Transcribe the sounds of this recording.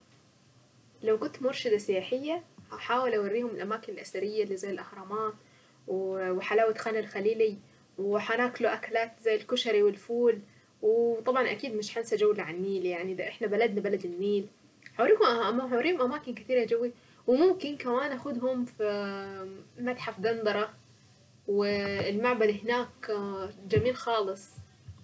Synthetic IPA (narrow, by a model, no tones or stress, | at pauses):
lawkʊnt̪mʊɾˤʃɪd̪asɪjaːħɪjːaaħaːwɪlʔawarːiːhʊmɪlʔamaːkɪnɪlʔasaɾɪjːalːiːzajːɪlʔaxɾˤɑmaːt̪ | wwħalaːwat̪xanalxaliːli | wħanaːklʊʔakalaːt̪zajːɪlkʊʃɑɾiwɪlfuːl | wt̪ˤɑbʕɑnʔakiːd̪mɪʃħansad͡ʒawːlʕanmiːljaʕniʔd̪ʔɪħnabalad̪nabalad̪ɪlmiːl | ħaːɾiːhʊmʔamːaħaːɾiːhʊmʔamaːkɪnkɪ̥t̪iːɾad͡ʒawːi | wmʊmkɪnkawaːnʔaxʊd̪ɦʊmfi | mat̪ħafd̪ɑnd̪ɑɾˤɑ | wɪlmaʕbad̪hɪnaːk | d͡ʒamiːlxɑːlɨsˤ